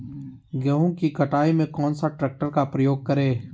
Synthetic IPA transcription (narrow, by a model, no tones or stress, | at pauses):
ɡɛɦõkikəʈaːimẽkɔːnsaʈɾɛːk̚ʈəɾkapɾəjoːɡ̚kəɾeː